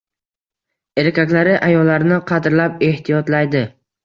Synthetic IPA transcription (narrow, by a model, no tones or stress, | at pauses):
e̞ɾkʲakʲlaɾɪʔajɒlːaɾɪnɪqʰɑd̪ɾlape̞ht̪ʰijɒt̪lajd̪ɪ